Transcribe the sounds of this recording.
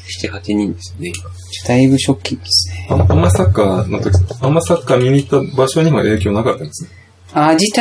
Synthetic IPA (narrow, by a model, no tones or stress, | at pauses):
i̥t̪ehat͡ɕiɲ̟ĩnd̪esɨone | d̪aibɯ̟ɕo̞kʲːid̪esɨ̥neaamːaisakːaːnot̪okʲi̥sãmːai̥sakːaːmʲiɲ̟it̪ːabaɕo̞ɲ̟iβa̰ʔe̞ːkʲo̞ːnakat̪ːanesɨne | aːit̪